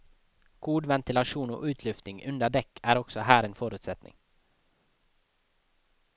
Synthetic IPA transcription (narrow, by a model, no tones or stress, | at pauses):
ɡ̥uːd̪vɛnt̪ɪlaʂuːnɔ̰ʔʉ̟ːt̪ʰlʏft̪nɪŋʔɵnd̪ad̪ɛkːæɾɔksɔɦæːɾenfœːɾʉ̟ːt̪sɛt̪nɪ̰ŋ